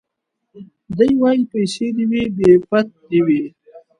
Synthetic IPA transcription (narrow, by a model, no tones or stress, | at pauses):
d̪ajwajipajsed̪iwibepat̪̚d̪iwi